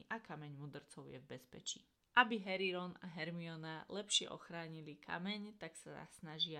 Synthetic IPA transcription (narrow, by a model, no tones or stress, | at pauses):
ʔakamɛɲmuːd̪r̩t͡sɔʊjɛ̰vbɛspɛt͡ʃḭː | ʔabiɦɛɾiɾɔnaɦɛɾmiɔnalɛpʃɪɛ̰ʔɔ̰xɾaːɲilikʰa̰mɛɲt̪aksaa̰snaʒɪa